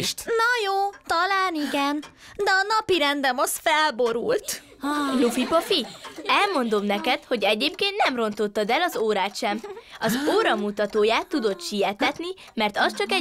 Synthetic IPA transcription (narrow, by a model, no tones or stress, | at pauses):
ʃt̪nɒjoːt̪ɒlaːniɡɛn | d̪ɛɒnɒpiɾɛnd̪ɛmɒsfɛlbo̞ɾṵlt̪ | jofipofiɛlmo̞nd̪o̞mnɛkɛt̪ho̞ɟɛɟeːpkeːnt̪nɛmro̞nt̪o̞t̪ːɒd̪ɛlɒzoːɾaːt̪ʃɛmɒzoːɾɒmut̪ɒt̪oːjaːt̪ːud̪o̞t̪ʃijɛt̪ɛt̪ni | mɛrt̪ɒst͡ʃɒkɛ